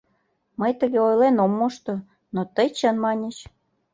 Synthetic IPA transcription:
məjt̪əɣeojlenomːoʃt̪o | not̪əjt͡ɕənmɑnʲət͡ɕ

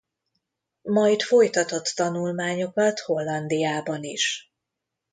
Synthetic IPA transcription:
mɒjt̪fo̞jt̪ɒt̪o̞t̪ːɒnulmaːɲo̞kɒt̪ho̞lːɒnd̪ijaːbɒniʃ

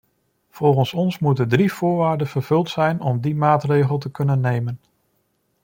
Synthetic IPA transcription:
v̥ɔlˠχənsɔnsmutədriv̥ʊːɹʋaːɹdənv̥əɹv̥ɵlˠtsɛjnɔmdimaːtrejχəlˠt̬əkɵnənːejmən

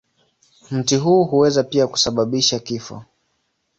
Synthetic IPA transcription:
m̩tiɦuːɦuwɛzapiaku̥saɓaɓiʃakifɔ̰

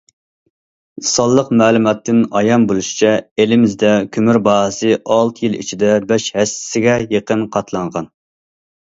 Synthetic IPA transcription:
sɑlˠːəqmæːlˠumɑt̪ːɪnɑjɑnbolˠuʃi̥t͡ʃʰɛelɪmɪzd̪ɛkʲʰymyɾbɑːɦsɨʔɑlˠt̪ʰɨjilˠḭt͡ʃʰid̪ɛbɛʃhɛsɪ̥sɪɡʲɛjeqənqʰɑt̪ʰlˠɑɴʁɑn

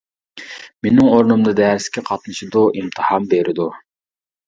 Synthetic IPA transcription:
menɪŋoɾnumd̪ɨd̪ɛɾsɪ̥kʲʰɛqʰɑt̪̚nɨʃɪd̪uʔimt̪ʰɨhɑmbeɾʔɪd̪u

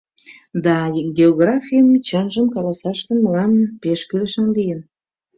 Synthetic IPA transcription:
d̪ɑɡʲeoɣrɑfʲijəmt͡ɕənʒə̆mkɑlɑsɑʃkə̆nməlɑmpeʃkyləʃɑnlijən

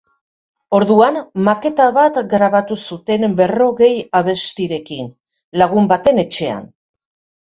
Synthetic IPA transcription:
o̞ɾðuanmake̞t̪aβat̪ɡɾaβat̪usut̪e̞nbe̞ro̞ɣe̞jaβ̞e̞st̪iɾe̞kin | laɣ̞umbat̪e̞ne̞t͡ʃe̞a̰n

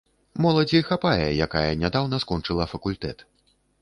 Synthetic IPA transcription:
mɔlˠɐd͡zʲixapajɛjakajɐnʲad̪awnɐskɔnt͡ʂɨlˠɐfɐkulʲt̪ɛt̪

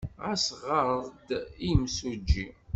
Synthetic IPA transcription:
ʁæsʁəɾˤðˤd̪imsud͡ʒːi

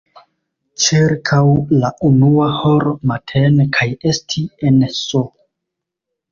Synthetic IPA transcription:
t͡ʃiɾkʰawlaunuahoɾmatʰenkʰaje̞stʰienso

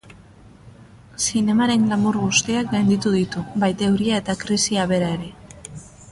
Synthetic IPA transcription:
sine̞maɾe̞ŋɡlamuɾɣust̪iak̚ɡajnd̪it̪uðit̪ubajt̪e̞wɾiae̞t̪akɾisiaβ̞e̞ɾae̞ɾe̞

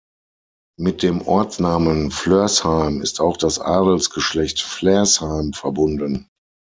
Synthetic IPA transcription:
mɪt̚d̥eːmʔɔ̰ɐt͡snaːmənfløɐshaɪmɪstaʊxd̥asʔaːdl̩sɡ̥əʃlɛçtflɛɐshaɪmfɛɐbʊndən

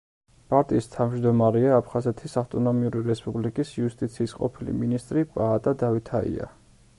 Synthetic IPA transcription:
pʼaɾt̪ʼiːst̪ʰavmd͡ʒd̪ɔmaɾɛaːpʰχazɛt̪ʰisaft̪ʼɔnɔmiuɾiɾɛspʼublikʼisiust̪ʼit̪sʰiːsqʼɔ̰pʰilḭminist̪ʼɾipʼaːt̪ʼad̪avit̪ʰaḭa̰

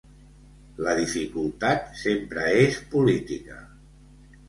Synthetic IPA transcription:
ləðifikulˠt̪at̪sempɾəespulit̪ikə

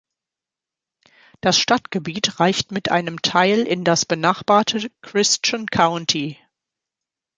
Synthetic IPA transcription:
d̥asʃtatɡ̥əbiːtʁaɪçtmɪtʔa̰ɪnəmtʰaɪlʔɪndasb̥ənaχb̥aːɐtʰəkʁ̥ɪst͡ʃankʰaʊntʰi

